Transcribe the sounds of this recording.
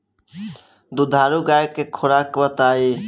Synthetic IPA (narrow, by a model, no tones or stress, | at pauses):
d̪ud̪ʱaːɾuɡaːjkekʰʊɾaːkbət̪aːiː